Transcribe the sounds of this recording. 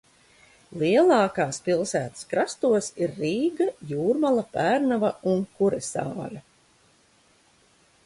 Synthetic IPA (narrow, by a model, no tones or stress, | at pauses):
lˠiɛlˠɑːkaːspilˠsæːt̪ə̥skɾast̪uɔsiɾːiːɡajuːɾmalˠapæːɾnavauŋkuɾɛsa̰ːlʲa